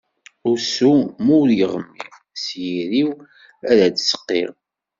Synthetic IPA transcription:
ʊɾsumʊɾjəʁəmːḭʁ | sjiɾiw | æɾæd̪sə̥qːḛʁ

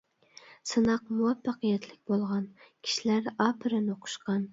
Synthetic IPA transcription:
sɨnɑq̚muwɛfːɑqɨjɛt̪ʰlɪk̚ʲbolˠʁɑnkʲʰi̥ʃilæɾɑpʰɨɾɨnoqʰʊ̥ʃqɑn

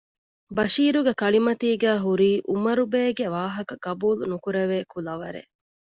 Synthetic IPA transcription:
bɐʃiːɾuɡekɐɭimɐt̪iːɡæːɦuɾiːʔumɐɾubeːɡeʋaːɦɐkɐɡɐbuːlunukuɾeʋeːkulɐʋɐɾḛ

